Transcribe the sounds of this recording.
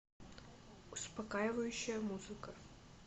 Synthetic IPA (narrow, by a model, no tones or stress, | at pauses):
uspɐkajɪvɐjʊɕːɐjɐmuzɨkɐ